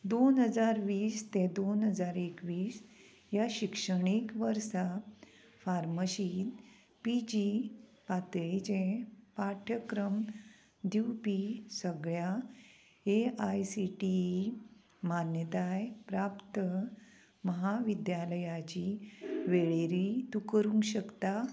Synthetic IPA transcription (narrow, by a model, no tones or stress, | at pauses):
d̪onɦəd͡zaɾʋiːst̪ẽd̪onɦəd͡zaɾekʋiːs | jaɕikʂəɳikʋəɾsa | faɾməɕit̪ | pid͡ʑipat̪ɭit͡ɕẽpaʈʰəkɾəm | d̪iwpisəɡɭja | eajsiʈi | manjət̪ajpɾapt̪ə | məɦaʋid̪jaləjat͡ɕiʋeɭeɾit̪ukəɾũŋkɕəkt̪a